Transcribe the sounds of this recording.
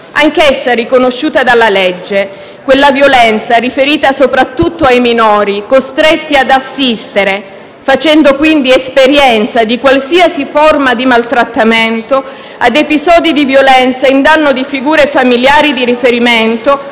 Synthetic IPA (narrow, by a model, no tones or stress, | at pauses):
aŋkɛsːarikonoʃːuːt̪ad̪alːaled͡ʒːe | kwelːavjolɛnt̪saɾifeɾiːt̪asopɾat̪ːut̪ːoajminɔːɾikost̪ɾet̪ːiad̪asːist̪eɾe | fat͡ʃɛnd̪okwind̪iespeɾjɛnt̪sad̪ikwalsiasiformad̪imalt̪ɾat̪ːament̪o | ad̪epizɔːd̪id̪ivjolɛnt̪saind̪anːod̪ifiɡuːɾefamiljaːɾid̪iɾifeɾiment̪o